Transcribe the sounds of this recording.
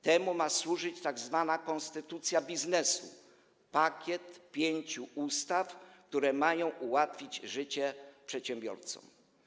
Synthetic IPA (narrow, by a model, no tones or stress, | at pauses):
t̪ɛmumaswuʐɘt͡ɕt̪aɡzvanakɔnst̪ɘt̪ut̪sʲjabʲiznɛsṵ | pakʲjɛt̪pʲjeɲt͡ɕuust̪afk̚t̪uɾɛmajɔ̃w̃ʔuwat̪fʲid͡ʑʐɘt͡ɕɛpʂɛt̪ɕɛmbʲjɔ̰ɾt̪sɔ̰m